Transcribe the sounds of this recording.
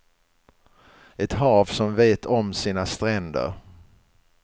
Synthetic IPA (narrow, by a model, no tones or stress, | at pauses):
ɛt̪ɦɑːvsɔmveːt̪ʰɔmsiːnast̪ɾɛnd̪ə̰ɾ